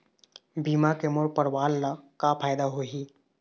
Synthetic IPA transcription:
biːmakemoɾpəɾwaːlːakapʰaːjd̪aɦoɦiː

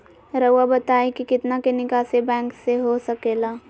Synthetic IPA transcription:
ɾəabɐt̪aːẽkikɪt̪nakenɪkaːsebɛ̃ːŋkseɦosɐkeːlaː

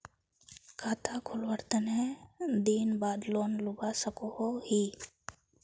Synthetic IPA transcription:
kʰaːt̪ʰakʰʊlʋəɾt̪ənɦẽd̪iːnbaːd̪loːnlʊbasəkohohiː

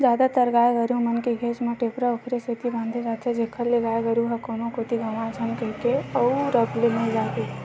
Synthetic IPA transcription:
d͡ʒad̪at̪əɾɡajɡəɾumənkeɡʱet͡ʃmeʈepɾaokʰɾeset̪ibãnd̪ʱed͡ʒat̪t͡ʃʰɛd͡ʒekʰəɾleɡajɡəɾuɦəkonokot̪iɡəmãt͡ʃʰənkəɦkeəuɾəblenəid͡ʒat̪e

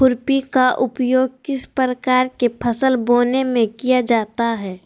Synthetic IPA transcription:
ʊɾpikaʔʊpjoːɡ̚kɪspɾəkaːɾkepʰɐsəlboːnemẽkijad͡ʒaːt̪aɦɛː

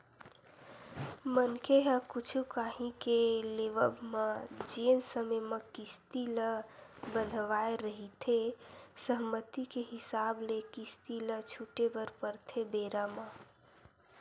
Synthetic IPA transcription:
mənkeɦəkut͡ʃʰukaɦĩkeleʋə̰bməd͡ʒensəməjməkist̪iləbənd̪ʱʋaeɾəɦit̪ʰesəɦmət̪ikeɦisablekist̪ilət͡ʃʰuʈebəɾpəɾt̪ʰebeɾamə

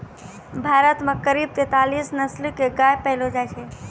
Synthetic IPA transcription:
bʱaɾət̪mekəɾib̚t̪et̪alisnəslkeɡajpəɪlod͡ʒajt͡ʃʰɛ

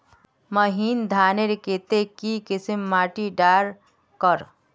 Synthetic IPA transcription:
məɦind̪ʱaːneɾket̪ekikisimːaʈiɖaɾ | kəɾ

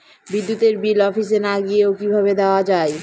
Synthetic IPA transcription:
bid̪ːut̪eɾbilɔfis̬enaɡijeokibʱaβed̪aoad͡ʑae

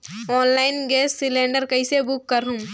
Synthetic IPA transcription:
ɔːnlaːɪnɡɛːsːɪlẽːɳɖəɾkɐisebʊkːɐɾɦũ

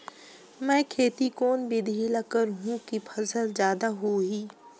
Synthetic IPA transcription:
mɛ̃ːkʰeːt̪ikoːnbʱid̪ʱilɐkəɾɦũkipʰɐsəlzjaːd̪aɦoɦiː

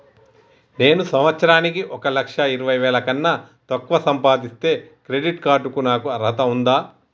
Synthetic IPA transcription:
ne̞ːnusɐmʋɐt̪sɐɾaːnik̬iʔɔkɐlɐkʂɐiɾɐʋɐjʋɛːlɐkɐnːɐ | t̪ɐkːʋɐsɐmpaːd̪ist̪e̞ːkɾe̞ɖiʈkaːɾʈukunaːkuɐɾɦɐt̪ɐund̪aː

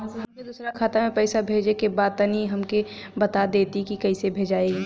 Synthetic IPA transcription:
ɦɐmked̪uːsɾakʰaːt̪amẽpɛːɪsabʱeːd͡ʒekebaːd̪̚t̪ɐniɦɐmkebɐt̪ad̪eːt̪ikikɐisebʱeːd͡ʒaːeɡi

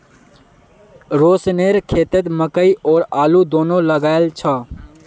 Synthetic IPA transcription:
ɾoːsneːɾkʰeːt̪ət̪məkəiʔoːɾaːluːd̪oːnõːləɡaːɪlt͡ʃʰaː

